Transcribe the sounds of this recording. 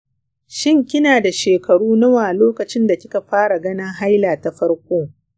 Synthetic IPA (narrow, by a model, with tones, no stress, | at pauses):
ʃɪ˦ŋkʲɪ˦naː˨da˨ʃeː˨kɐ˨ɽuː˦nɐ˦waː˨loː˦kɐ˨t͡ʃɪ˦nda˨kʲɪ˦ka˨ɸaː˦ɽa˨ɡɐ˦nɪ˦ŋɦa˦jlaː˨ta˨ɸɐ˦ɽkʷoː˦